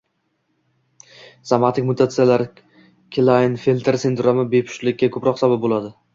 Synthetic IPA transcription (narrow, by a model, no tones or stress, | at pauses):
samat̪ʰɪkʲmʊt̪ʰat̪sɨjalaɾ | kʲʰlˠaɪnfelʲt̪ʰeɾsend̪ʊɾamɪbepʰʊ̥ʃlɪk̚ʲːakʰɵpɾɒqsabap̚bolad̪ɪ